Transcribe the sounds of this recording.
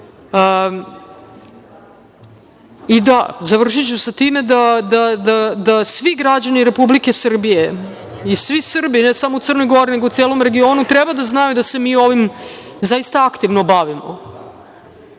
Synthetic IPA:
ə | id̪azaʋr̩ʂit͡ɕusat̪iːme̞d̪ad̪ad̪ad̪asʋiɡɾad͡ʑaniɾe̞publike̞sr̩bije̞ | isʋisr̩binesamout̪srnojɡo̞ɾineɡout̪seːlˠo̞mɾe̞ɡio̞ːnut̪ɾebad̪aznajud̪ase̞miːo̞ʋimzajist̪aakt̪iʋnobaʋimo̰

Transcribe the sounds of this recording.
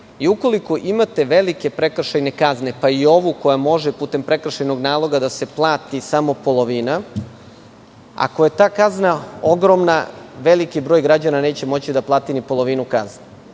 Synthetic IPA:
iuko̞likoʔimat̪e̞ʋe̞like̞pɾekr̩ʃajne̞kazne̞paio̞ʋuko̞jamo̞ʒepuːt̪e̞mpɾe̞kr̩ʃejno̞ɡnaːlˠo̞ɡad̪ase̞plˠaːt̪isamo̞po̞lˠo̞ʋina | a̰ko̞je̞t̪aːkaznao̞ɡɾo̞mnaʋe̞likibɾoːjɡɾad͡ʑanane̞ːt͡ɕe̞mo̞t͡ɕid̪aplˠaːt̪inipo̞lˠo̞ʋinukazne

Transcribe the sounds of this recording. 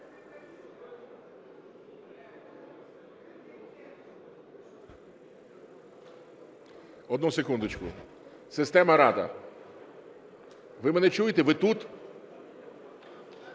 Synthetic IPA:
ɔd̪nusekund̪ʊt͡ʃkʊ̰ | sɪst̪ɛmɐɾɑd̪ɐ̰ | ʋɪmɛnɛt͡ʃujet̪eʋɪt̪ut̪

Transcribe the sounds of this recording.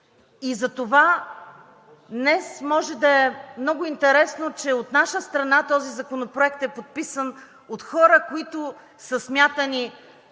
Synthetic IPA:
izɐt̪ova | d̪nɛsmɔʒɛd̪ɐɛmnɔɡʊint̪ɛɾɛsnot͡ʃɛot̪naʃəst̪ɾɐnat̪ɔzizɐkonopɾoɛk̚t̪ɛpot̪̚pisən | ot̪xɔɾəkoit̪ʊ | səsmʲjat̪əni

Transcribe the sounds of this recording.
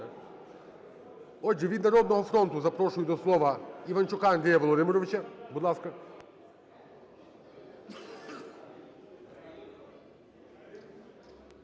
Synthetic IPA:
ɔd͡ʒɛʋʲid̪nɐɾɔd̪nɔɦɔfɾɔnt̪ʊzɐpɾɔʃʊjʊd̪ɔslˠɔʋɐiʋɐnt͡ʃʊkaɐnd̪ɾʲɛjɐʋɔlˠɔd̪ɪmɔɾɔʋɪt͡ʃɐbud̪lˠɑskɐ

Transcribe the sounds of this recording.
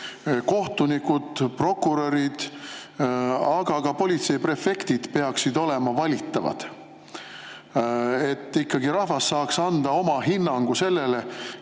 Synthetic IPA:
ko̞ht̪unikud̪̥pro̞kːuɾeɾid̪̥ | ɑɡ̥ɑɡɑpo̞lʲit̪se̞jipre̞fe̞kt̪id̪̥pe̞ɑksid̪o̞le̞mɑvɑlʲit̪ːˑɑvɑ̰d̪̥ | e̞t̪ːikːɑɡiɾɑhvɑsːɑːksɑnd̪̥ɑo̞mɑɦinːɑŋɡ̥use̞lːe̞le̞

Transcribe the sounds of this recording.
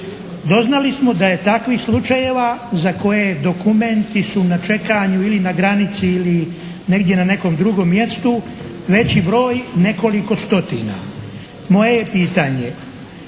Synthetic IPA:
d̪o̞znalismo̞d̪aje̞t̪akʋixslˠut͡ʃajeʋazako̞je̞d̪o̞kume̞nt̪isunat͡ʃe̞kaɲuilinaɡɾanit̪siːli | ne̞ɡd̪je̞nane̞ko̞md̪ɾuɡo̞ːmːje̞st̪u | ʋe̞t͡ɕibɾo̞ːjne̞ko̞liko̞st̪o̞t̪ḭna̰ | mo̞je̞jepiːt̪aːɲe

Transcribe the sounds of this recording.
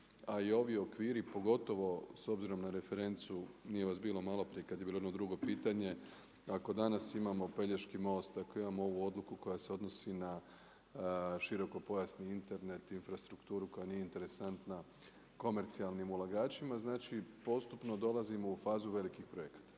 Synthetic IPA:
aio̞ʋio̞kʋiːɾipo̞ɡo̞t̪o̞ʋo̞so̞bziɾo̞mnaɾe̞fe̞ɾe̞nt̪sunije̞ʋasbiːlo̞malˠopɾijekad̪jbiːloenod̪ɾuɡo̞piːt̪aɲe̞ | ako̞d̪anasimamo̞pe̞ʎeʃkimo̞ːst̪ako̞imamooʋuo̞d̪lukuko̞jase̞o̞d̪no̞sina | ʃiɾo̞ko̞po̞jasniint̪e̞ɾne̞t̪infɾast̪ɾukt̪uːɾuko̞janijeint̪e̞ɾe̞sant̪na | ko̞me̞ɾt̪sialˠnimulˠaɡaːt͡ʃimaznaːt͡ʃipo̞st̪upno̞d̪o̞lazimo̞ufaːzuʋe̞likixpɾo̞jekḁt̪ḁ

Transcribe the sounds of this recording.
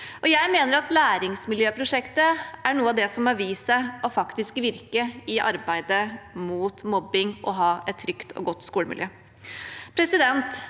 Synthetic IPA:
ʔɔjæɪmeːnəɾɑt̪læːɾɪŋsmɪljøːpʰɾʊʂɛkt̪əʔæɳuːəɑd̪ɛsɔmɑʋiːsəɔfɑkt̪ɪskʋɪɾkəɪʔɑ̰ɾbæɪd̪əmuːt̪mɔbːɪŋʔɔɦɑːʔɛt̪ʰːɾʏkt̪ʰɔ̰ɡɔt̪ːskuːləmɪljø̰ː | pʰɾɛsɪd̪ɛnt̪

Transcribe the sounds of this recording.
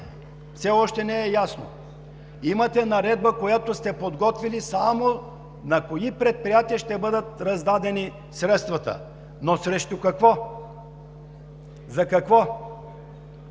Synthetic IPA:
fsɛɔʃt̪ɛnɛɛjasno̰ | imɐt̪ɛnɐɾɛd̪̚bəkojat̪ost̪ɛpod̪ɡɔt̪vilisamo | nɐkoipɾɛt̪̚pɾijat̪iəʃt̪ɛbɤd̪ət̪ɾɐzd̪ad̪ɛni | sɾɛt̪st̪vɐt̪ə̰ | nosɾɛʃt̪ʊkɐkvɔ | zɐkɐkvɔ

